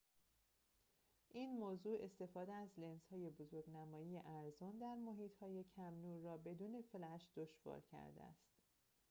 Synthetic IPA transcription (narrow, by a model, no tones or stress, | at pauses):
ʔiːnmoːzuːe̞st̪e̞fɒːd̪eæzlenshɒːje̞bozoɾɡnæmɒːjije̞ʔæɾzond̪æɾmoɦiːt̪ʰhɒːje̞cʰæmnuːɾːɒːbe̞d̪uːne̞flæʃd̪̥oʃv̥ɒ̰ːɾcʰæ̰ɾd̪ḛæ̰st̪